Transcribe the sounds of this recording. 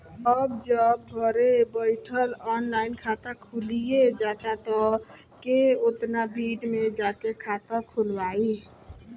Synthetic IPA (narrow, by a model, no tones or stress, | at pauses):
əbd͡ʒəb̚ɡʱəɾebəjʈʰəlɔnlainkʰat̪akʰulijed͡ʒat̪at̪ɔ | keot̪nabʱiɖmed͡ʒakekʰat̪ãkʰulbai